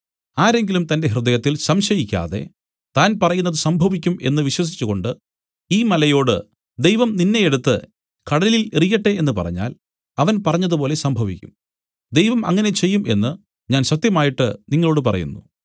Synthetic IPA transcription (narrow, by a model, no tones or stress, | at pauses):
aːɾe̞ŋɡilumt̪ɐnde̞ɦrɨd̪ɐjɐt̪ːilsɐmɕɐjikʲːa̰ːðe̞̰ | t̪aːnpɐrɐjunːɐðɨsɐmbʱɐʋikʲːume̞̰nːɨʋiɕwɐs̬i̥t͡ɕːuɣo̞ɳɖɨ | iːmɐlɐjo̞ːɽɨ̰ | d̪e̞jʋɐmninːe̞jeɽut̪ːɨ̰ | kɐɽɐlililerijɐʈːe̞enːɨpɐ̰rɐ̰ɲːa̰ːl | ɐʋɐnpɐrɐɲːɐðup̬o̞ːle̞sɐmbʱɐʋikʲːum | d̪e̞jʋɐmɐ̰ŋːɐne̞t͡ɕe̞jːumʔe̞̰nːɨ | ɲaːnsɐt̪ːjɐmaːjiʈːɨniŋːɐɭo̞ːɽɨp̬ɐrɐ̰jṵnːu